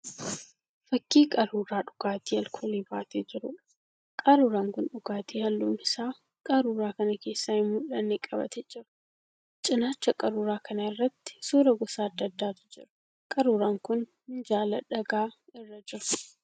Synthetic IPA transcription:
fɐkːiːkʼɐɾuːɾaːᶑʊɡ̥aːt̪iːɐlkʰoːleːbaːt̪eːd͡ʒɪɾʊ | kʼɐɾuːɾaːŋkʊnᶑʊɡaːt̪iːhɐlːʊːmɪsaː | kʼɐɾuːɾaːkɐnɐke̞ːsːaːɪmːʊlɐnːeːkʼɐbɐ̰t̪ɛd͡ʒɪɾʊ̥ | t͡ʃʼɪnaːt͡ʃːɐkʼɐɾuːɾaːkʰɐnɐɪrːɐt̪ːɪ̥suːɾɐɡɔsaːɐd̪ːɐd̪ːaːt̪ʊ̥d͡ʒɪɾʊ̥ | kʼɐɾuːɾaːŋkʊn | ɪnd͡ʒaːlɐᶑɐɡaːɪrːɐd͡ʒɪɾʊ̥

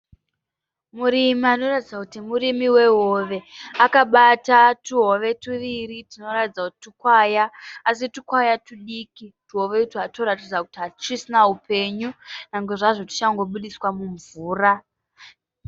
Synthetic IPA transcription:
muɾimiano̞ratid͡zakutimurimiwe̞ɦoʋe̞akaɓatatuɦoʋe̞tuʋiritino̞ratid͡zakuti̥tukwajaːsitukwajatuɗikituɦo̞ʋe̞utiɦatoɾatid͡zaku̥tiɦat͡ʂisinaɦupʰe̞ɲunaŋɡe̞ʐaʐo̞tu̥t͡ʃaŋɡo̞ɓuɗiswamuɱvuːra

